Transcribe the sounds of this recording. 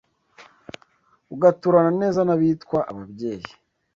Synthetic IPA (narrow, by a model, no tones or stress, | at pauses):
uɡatuɾanane̞ːzanaβiːtkwaʔaβabɟe̞ːji